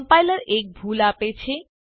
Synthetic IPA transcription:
mpajlaɾek̚bʱulapet͡ɕʰe

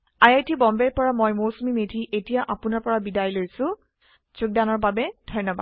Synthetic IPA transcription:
ajajtʰibɔmbɛɹpɔɹamɔjmowsumimedʱiʔetijaʔapʊnaɹpɔɹabidajlojsʊ̃ | z̥ʊk̚danɔɹbabɛdʱɔjnːɔba̰d

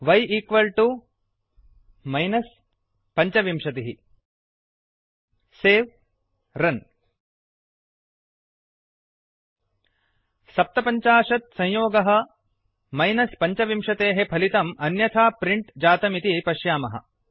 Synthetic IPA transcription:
ʋɐjiːkʋɐlʈu | mɐjnɐs | pɐɲt͡ʃɐʋimʂɐt̪eɦi | seːʋ | ɾɐn | sɐp̚t̪ɐpɐɲt͡ʃaːʂɐt̪̚sɐ̃jjoːɡɐɦɐ̆ | mɐjnɐspɐɲt͡ʃɐʋimʂɐt̪eːɦepʰɐlit̪ɐmɐnjɐt̪ʰaːpɾiɳʈd͡ʒaːt̪ɐmit̪ipɐʃjaːmɐɦɐ̰

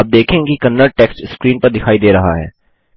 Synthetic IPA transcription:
ɐp̚d̪eːkʰẽːɡikɐnːəɾ̚ʈɛːksʈskɾiːnpɐɾd̪ɪkʰaːid̪eːɾɐɦa̰ɦɛ̰ː

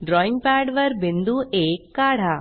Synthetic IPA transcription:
ɖɾɔːɪ̃ŋɡ̚paːɖʋɐɾbɪnd̪uʔeːkːaːɽ̤aː

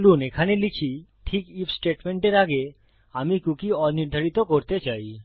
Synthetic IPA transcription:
lunekʰanelit͡ɕʰiʈʰikifsʈeʈmeɳʈeɾaɡe | amikukiɔniɾd̪ʱaɾit̪okoɾt̪et͡ɕaj

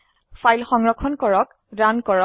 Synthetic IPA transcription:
fajlxɔŋɹɔkʰːɔnkɔɹɔk | ɹankɔɹɔ

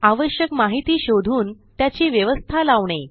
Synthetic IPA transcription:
aʋəɕjəkmaɦit̪iːɕod̪ʱuːnt̪jat͡ɕiːʋjəʋəst̪ʰalaʋɳ̃e

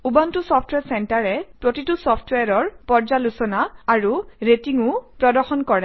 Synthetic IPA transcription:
ubantusɔpʰtwɛsɛntaɹɛpɹotitusɔpʰtweaɹɔɹpɔɹd͡ʒalusɔnaːɹuɹetiŋʊpɹɔdɔɹxɔnkɔɹɛ

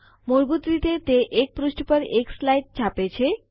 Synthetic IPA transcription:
moɾɡut̪ɾit̪et̪eʔek̚pɾusʈpəɾekslajʈ̚t͡ɕʰapet͡ɕʰe

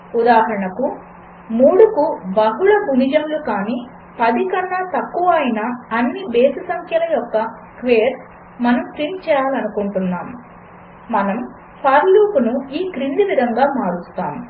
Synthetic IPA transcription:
ud̪aːɦɐɾɐɳɐku | muːɽukubɐɦuɭɐbʱunid͡ʒɐmlukaːniː | pɐd̪ikɐnːɐt̪ɐkːuʋɐːjinɐːnːibeːsɐsɐŋkʰjɐlɐjɔkːɐ | kʋeːɾ | mɐnɐmʈɾint͡ʃɛːjaːlɐnukuɳʈunːaːmː | ɐnɐm | pʰaːɾluːpunuiːkɾind̪iʋid̪ʱɐŋɡaːmaːɽust̪a̰ːm

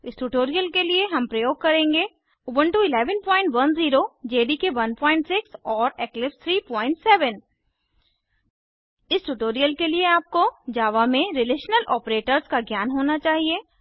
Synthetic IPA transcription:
ɪsʈuʈoːɾijəlkelieɦɐ̃mpɾɐjoːɡ̚kɐɾẽːŋɡe | ʊbə̃ɳʈuɪlɛːʋənpɔ̃ːɪ̃ɳʈʋɐnziːɾod͡ʒeːɖikeʋɐnpɔːɪ̃ɳʈsɪksɔːɾɛːklɪpst̪ʰɾiːpɔ̃ːɪ̃ɳʈsɛːʋən | ɪsʈuʈoːɾijəlkelieaːp̚kod͡ʒaːʋamẽɾɪleːʃnəlʔɔːpɾeːʈəɾzkaɡjaːnɦoːnat͡ʃaːɦieː

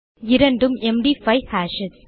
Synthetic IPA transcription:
ɪɾɐɳɖɯmɛmɖifɐɪhaːʃɪs

